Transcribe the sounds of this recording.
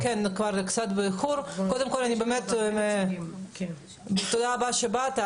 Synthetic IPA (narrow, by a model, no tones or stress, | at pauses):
kenkvaɾkt͡sat̪bexuɾkod̪emkolanibemet̪me | t̪od̪aːbaʃebat̪a